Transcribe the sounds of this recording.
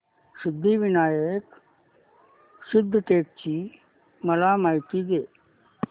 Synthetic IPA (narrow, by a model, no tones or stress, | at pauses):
sɪd̪ʱːiːʋɪnaːjək | sɪd̪ʱːʈeːk̚t͡ʃiː | mɐlaːmaːjt̪iːd̪eː